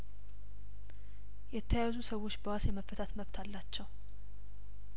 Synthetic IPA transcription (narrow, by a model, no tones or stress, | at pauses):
jɛt̪ʰːəjajazusəwːo̞t͡ʃːbəwasjɛməfːət̪ʰat̪məβt̪ʰalːat͡ʃːɛw